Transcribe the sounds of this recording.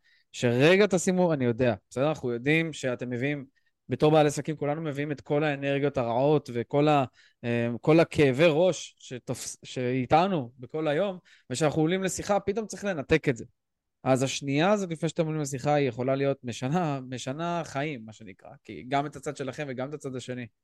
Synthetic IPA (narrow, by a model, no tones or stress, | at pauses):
ʃe̞ʁe̞ɡat̪asimuanijo̞de̞ab̥esedɐanaχujo̞dimʃe̞ate̞mːe̞viim | be̞to̞ʁbaːlesakimkulanume̞viime̞tko̞lae̞ne̞ʁɡijo̞taʁao̞tve̞ko̞la | eko̞lakʰe̞ːve̞ʁo̞ʃʃetofsʃe̞itanube̞ko̞lajo̞m | veʃeanaχuolimle̞siχapit̪̬o̞mt͡sʁiχle̞nat̪e̞ke̞tze̞ | ʔazaʃniaːzo̞t̪̬lifneʃeatemolimles̬iχaijeχo̞lalijo̞t̪̚meʃanameʃanaχaimːaʃe̞nikʁa̰kḭɡame̞tat͡sad̪ʃe̞laχe̞mveɡamet̪at͡sad̪aʃe̞ni